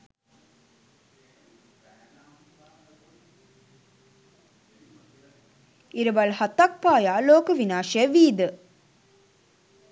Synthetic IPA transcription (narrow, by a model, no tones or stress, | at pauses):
iɾəʋalhat̪ak̚paːjaːloːkəʋinaːʃɐjəʋiːd̪ə